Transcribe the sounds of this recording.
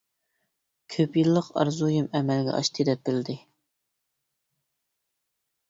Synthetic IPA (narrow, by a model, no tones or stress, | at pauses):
kʲʰøpjilˠːəqɑ̰ɾzujimɛmɛlɡʲɛ̰ʔɑ̰ʃt̪ʰɨd̪ɛp̚bɪlɪd̪ɪ